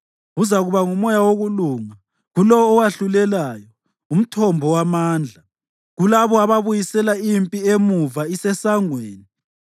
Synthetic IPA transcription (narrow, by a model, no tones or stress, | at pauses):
uzaɣuβaŋumɔjawoɣuluːŋa | ɣulɔːwaɬulɛlaːjɔ | um̩tʰɔmbʱɔwamaːnd͡ɮʱa | ɣulaβɔaβaβujisɛlaimpʼiemuvaisɛsaŋweːni